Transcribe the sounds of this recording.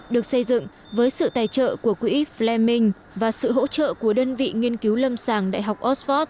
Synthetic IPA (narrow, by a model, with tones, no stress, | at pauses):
ɗɨ˨˩ək̚sə˧jzɨ̰˧˨ŋ | vəː˨˦jsɨ̰˧˨t̪aː˨˩jt͡ɕə̰ː˧˨ku˧˩əkwḭ˧˥flɛ˧mï˧ŋ̟ | vaː˨˩sɨ̰˧˨ɦo̰˧˥t͡ɕə̰ː˧˨ku˧˩əɗəː˧nvḭ˧˨ŋi˧ənki˨˦wlə˧msaː˧˩ŋɗa̰ː˧˨jɦa˨˩wk͡p̚ʔɔ˦˥tfɔ˦˥t̚